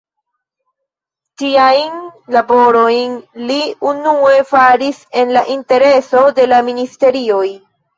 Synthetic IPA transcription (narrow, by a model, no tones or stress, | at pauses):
tiajnlabo̞ɾo̞jnliunue̞faɾise̞nlaʔinte̞ɾe̞so̞de̞laministe̞ɾio̞j